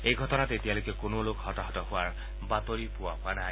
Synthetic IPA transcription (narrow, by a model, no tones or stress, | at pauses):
ejɡʱɔtɔnatetialojkekonolokhɔtaɦɔtɔhʊaɹ | bat̪oɹipʊwaɦʊana